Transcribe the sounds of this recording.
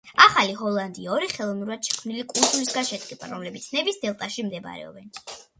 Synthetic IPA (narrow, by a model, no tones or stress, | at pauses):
aχaliɦɔlˠand̪iaɔɾiχɛlˠɔvnuɾad̪̥ʃɛ̥kʰmnilikʼulˠzʼulisɡaʃɛt̪ʼqʼiba̰ɾɔmlɛbit̪sʰnɛbisd̪ɛlˠt̪ʼaʃimd̪ɛba̰ɾɛ̰ɔ̰bɛn